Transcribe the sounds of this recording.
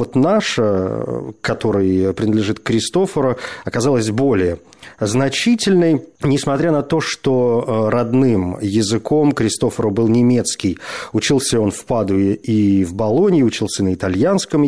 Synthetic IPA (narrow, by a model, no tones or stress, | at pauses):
vot̪naʂə | kɐt̪o̞ɾɨjpɾʲɪnəd̪lʲɪʐɨt̪kɾʲɪst̪o̞fəɾəɐkɐzalˠəsʲbo̞lʲɪjə | znɐt͡ɕitʲɪlʲnəjnʲɪsmɐt̪ɾʲanɐt̪o̞ʂt̪o̞ɾɐd̪nɨmjɪzɨko̞mkɾʲɪst̪o̞fəɾəbɨlˠnʲɪmʲe̞t̪skʲɪjʊt͡ɕilˠsʲəo̞nfpad̪ʊɪivbɐlˠo̞nʲɪːʊt͡ɕilˠsʲənəɪt̪ɐlʲjanskəm